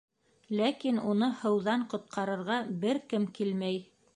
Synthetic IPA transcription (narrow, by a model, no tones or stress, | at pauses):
lækinunɤhɤ̆wðɑɴqŏt̪̚qʰɑɾɤ̆ɾʁɑbɘɾkɘmkilmæj